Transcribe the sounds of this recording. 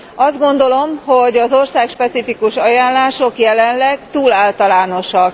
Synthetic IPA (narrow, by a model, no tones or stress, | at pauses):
ɒzd̪ɡo̞nd̪o̞lo̞mho̞ɟɒzo̞rsaːkʃpɛt̪sifikuʃɒjaːnlaːʃo̞kjɛlɛnlɛɡt̪uːlaːlt̪ɒlaːno̞ʃɒk